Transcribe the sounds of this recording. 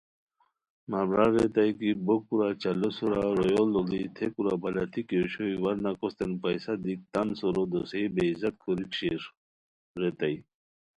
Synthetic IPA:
mamɾaɾet̪ajkibok̚kuɾat͡ɕɐlosuɾaɾojolːɔɡit̪ʰekuɾabalat̪ʰikeɕoiwaɾnakɔst̪enpajsad̪ik̚t̪ansɔɾod̪osejbeizɐt̪̚kʰoɾikɕeɾ | ɾet̪aj

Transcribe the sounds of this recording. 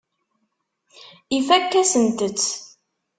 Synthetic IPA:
ifækːæsənt̪ət͡sː

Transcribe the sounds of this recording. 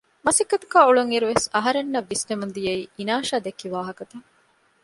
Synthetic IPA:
mɐsikːɐt̪ɐkaːuɭuŋiɾuʋesɐɦɐɾenːɐʋːisnemund̪ijɐiːinaːʃaːd̪ekːiʋaːɦɐkɐt̪ɐŋ

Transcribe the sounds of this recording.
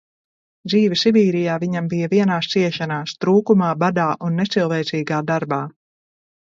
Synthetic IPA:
d̪ziːvisibiːɾijaːviɲambijɐviɛnaːst̪siɛʃanaːst̪ɾuːkumaːbad̪aːʔunːɛt̪silˠvɛːt̪siːɡaːd̪aɾbaː

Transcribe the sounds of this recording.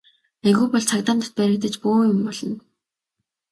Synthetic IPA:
eɣuːpɔɮt͡sʰakt̪aːnt̪ə̥̆t̪̚pæɾɪ̆k̚t̪ɘ̆t͡ɕpuːjʊmpɔɮɞ̆n

